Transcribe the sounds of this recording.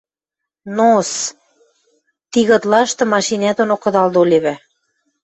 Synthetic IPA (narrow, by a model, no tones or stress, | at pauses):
nos | t̪iɣɤ̆t̪lɑʃt̪ɤ̆mɑʃinæt̪onokɤ̆d̪ɑld̪olʲeβæ